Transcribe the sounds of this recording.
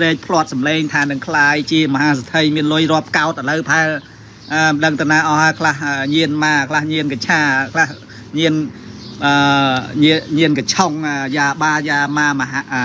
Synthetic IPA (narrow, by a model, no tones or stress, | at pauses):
reːk̚pʰloət̪̚sɑmleːŋt̪ʰaːnɨŋkʰlaːjt͡ɕiəmɔɦaːsat̪ʰəjmiənlʊəjrŏəp̚kaɔt̪̚ʔələwpaɛl | ʔəːɗəŋt̪ɨwnaːʔɑhaəjkʰlahəːɲiənmaːkʰlahɲiənkat͡ɕʰaːkʰlah | ɲiənʔəːɲiəɲiənkat͡ɕʰoŋəːjaːɓaːjaːmaːmɦʔ